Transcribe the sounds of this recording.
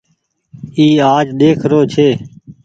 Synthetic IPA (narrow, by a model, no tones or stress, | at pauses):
iːaːd͡ʒɗ̪eːkʰɾoːt͡ʃʰeː